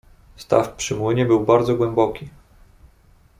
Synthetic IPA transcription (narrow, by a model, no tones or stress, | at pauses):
st̪a̰fpʂɘmwɘɲɛbɘwbaɾd̪zɔɡwɛmbɔkʲi